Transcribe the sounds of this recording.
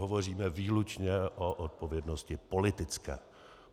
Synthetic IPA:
ovo̞riːmɛviːlut͡ʃɲɛʔoʔot̪̚povjɛdnoscɪpo̞lɪt̪ɪt͡skɛː

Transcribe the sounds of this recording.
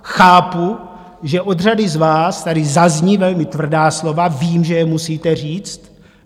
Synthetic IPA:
xaːpu | ʒɛʔo̞d̪r̝adɪzvaːst̪adɪzazɲivɛlmɪt̪vr̩daːslo̞vaviːmʒɛjɛmusiːt̪ɛr̝iːt͡st̪

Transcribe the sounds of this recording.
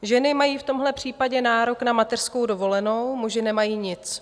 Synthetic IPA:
ʒɛnɪmajiːft̪o̞mɦlɛpr̝̥iːpaɟɛnaːɾo̞knamat̪ɛr̥sko̞wdo̞vo̞lɛno̞wmuʒɪnɛmajiːɲɪt͡s

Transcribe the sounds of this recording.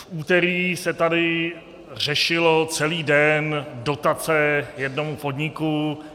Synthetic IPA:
fʔuːt̪ɛɾiːsɛt̪adɪ | r̝ɛʃɪlot͡sɛliːdɛndo̞t̪at͡sɛjɛdno̞mupo̞dɲɪku

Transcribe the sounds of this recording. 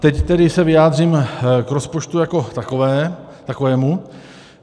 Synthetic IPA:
t̪ɛct̪ɛdɪsɛvɪjaːd̪r̝iːmkɾospot͡ʃt̪ujako̞t̪akovɛː | t̪akovɛːmu

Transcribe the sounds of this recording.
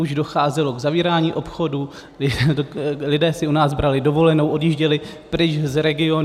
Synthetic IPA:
uʒdo̞xaːzɛlo̞ɡzaviːɾaːɲiːʔo̞pxo̞du | ɪ | lɪdɛːsɪunaːzbɾalɪdo̞vo̞lɛno̞wʔo̞djiʒɟɛlɪpɾɪt͡ʃzɾɛɡɪo̞n

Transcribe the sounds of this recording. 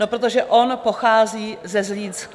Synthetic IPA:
opɾot̪o̞ʒɛʔo̞npo̞xaːziːzɛzliːnsk

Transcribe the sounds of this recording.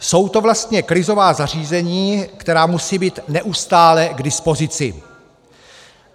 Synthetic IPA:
so̞wt̪o̞vlast̪ɲɛkɾɪzo̞vaːzar̝iːzɛɲiːkt̪ɛɾaːmusiːbiːt̪nɛʔust̪aːlɛɡdɪspo̞zɪt͡sɪ̰

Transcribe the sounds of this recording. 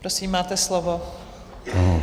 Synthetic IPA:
pɾosiːmːaːt̪ɛslovo

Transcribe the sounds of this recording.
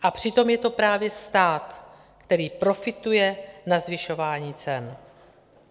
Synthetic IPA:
ʔapr̝̥ɪt̪o̞mjɛt̪o̞pɾaːvjɛst̪aːt̪ | kt̪ɛɾiːpɾo̞fɪt̪ujɛnazvɪʃo̞vaːɲiːt͡sɛn

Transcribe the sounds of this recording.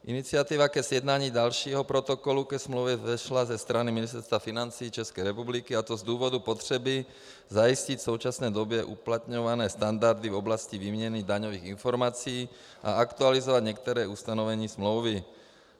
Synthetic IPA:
ʔinit͡sɪat̪iʋakɛzjɛd̪naːɲiːd̪alʃiːɦɔpɾɔt̪ɔkɔlukɛsmloʊvjɛɛʃlazɛst̪ɾaniminist̪ɛɾst̪ʋafinant͡siːt͡ʃɛskɛjɾɛpublikiat̪ɔzd̪uːvɔd̪upɔt̪r̝̥ɛbi | zajiscic̪soʊt͡ʃasnɛːd̪obɪɛʔuplat̪ɲɔʋanɛːst̪and̪aɾd̪ivɔblasciviːmɲɛnid̪aɲɔʋiːɣinfɔɾmat͡sijiː | ʔa̰akt̪ualizɔʋad̪ɲɛk̚t̪ɛɾɛːust̪anɔʋɛɲiːsmloʊvi

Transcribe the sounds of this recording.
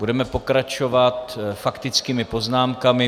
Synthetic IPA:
budɛmɛpo̞kɾat͡ʃo̞vat̪fakt̪ɪt͡skiːmɪpo̞znaːmkamɪ

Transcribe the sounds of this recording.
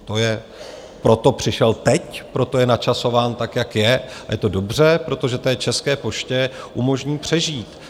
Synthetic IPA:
t̪o̞jɛ | pɾo̞t̪o̞pr̝̥ɪʃɛlt̪ɛcpɾo̞t̪o̞jɛnat͡ʃaso̞vaːnt̪akjakjɛajɛt̪o̞do̞br̝ɛpɾo̞t̪o̞ʒɛt̪ɛːt͡ʃɛskɛːpo̞ʃcɛʔumo̞ʒɲiːpr̝̥ɛʒiːt̪

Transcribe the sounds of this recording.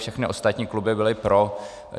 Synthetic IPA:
fʃɛxnɪʔost̪at̪ɲiːklubɪbɪlɪpɾo

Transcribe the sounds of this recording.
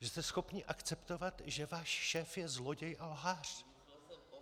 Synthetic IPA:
ʒɛst̪ɛsxo̞pɲɪʔakt͡sɛpt̪o̞vat̪ʒɛvaːʃʃɛːfjɛzlo̞ɟɛjʔalɦaːr̝̥

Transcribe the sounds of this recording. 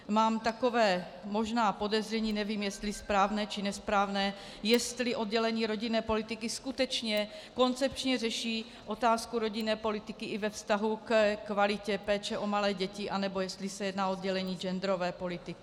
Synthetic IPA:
maːmt̪akovɛː | mo̞ʒnaːpo̞dɛzr̝ɛɲiːnɛviːmjɛst̪lispɾaːvnɛːt͡ʃɪnɛspɾaːvnɛː | jɛst̪lɪʔo̞d̪̚ɟɛlɛɲiːɾo̞ɟinɛːpo̞lɪt̪ɪkɪskut̪ɛt͡ʃɲɛ | ko̞nt͡sɛp̚t͡ʃɲɛrɛʃiː | ʔo̞t̪aːskuɾo̞ɟinɛːpo̞lɪt̪ɪkɪʔɪvɛfst̪aɦukkvalɪcɛpɛːt͡ʃɛʔo̞malɛːɟɛcɪʔanɛbo̞jɛst̪lisɛjɛd̪naːod̪ɟɛlɛɲiːd͡ʒɛnd̪ɾo̞vɛːpo̞lɪt̪ɪkɪ

